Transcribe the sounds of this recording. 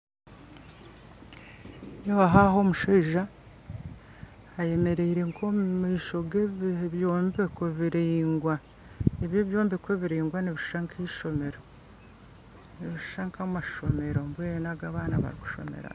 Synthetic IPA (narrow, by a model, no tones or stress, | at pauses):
joβaɦaɦo̞ːmuʃoiʒa | je̞me̞ɾe̞iɾe̞ŋkʰomiːʃo̞ɡeβjoːmbekoβiɾiːŋɡwa | eβjeːβjo̞ːmbekweβiɾiːŋɡwaneβiʃu̥ʃaŋkʰiʃo̞me̞ɾo̞ | neβiʃu̥ʃaŋkamaʃo̞me̞ɾo̞mbweːnaɡaβaːnaβa̰ɾiku̥ʃo̞̰mḛɾa̰